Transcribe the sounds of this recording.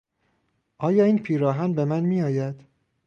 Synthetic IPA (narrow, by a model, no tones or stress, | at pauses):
ʔɒːjɒːiːnpʰiːɾɒːɦænbe̞mænmijɒːjæd̪̥